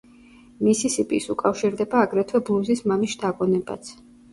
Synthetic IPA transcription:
misisipʼisukʼafʃiɾd̪ɛbaːɡɾɛt̪ʰwɛblˠuzismamiʃt̪ʰaɡɔnɛba̰t̪sʰ

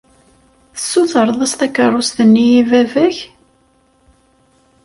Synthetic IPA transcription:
θə̥sːuθəɾˤðˤæst̪ækːərˤːʊst̪ənːijivævæç

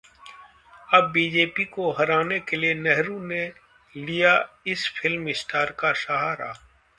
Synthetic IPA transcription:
ɐbːiːd͡ʒeːpikoɦɐɾaːnekelienɛɦɾũne | lijaɪsfʰɪlmɪsʈʰaːɾkaʃaɦaɾa̰ː

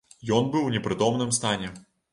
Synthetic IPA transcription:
jɔnbɨwnʲɛpɾɨt̪ɔmnɨmst̪anʲɛ

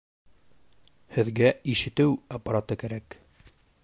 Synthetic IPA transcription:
hɘ̆ðɡæiʃɘ̆t̪ɘwɐpːaɾat̪ɤkæɾæk

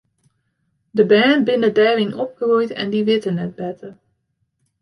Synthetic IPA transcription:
dəbɛːnbɪnədɛːrinɔp̚xərujtɛ̰ndiʋɪtənːɛt̚bɛtə

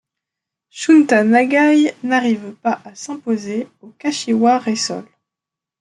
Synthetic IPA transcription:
ʃunt̪anaɡajnaʁivpaʔasɛ̃pozeokaʃiwaʁesɔ̰l

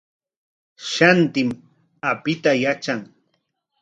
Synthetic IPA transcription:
ʃant̪ɪm | apɪt̪ajat͡ʃaŋ

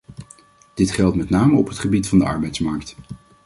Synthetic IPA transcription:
d̥ɪtχɛlˠtmɛtnaːməɔpɦətχəbitfɑndəɑ̰ɹbɛjtsmɑɹkt

